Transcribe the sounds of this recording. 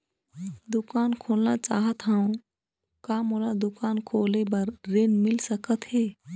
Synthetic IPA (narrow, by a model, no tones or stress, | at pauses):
d̪ʊkaːnkʰoːlnat͡ʃaːɦət̪ɦaũ | kamolad̪ʊkaːnkʰoːlebəɾɾenmɪlsəkət̪ɦeː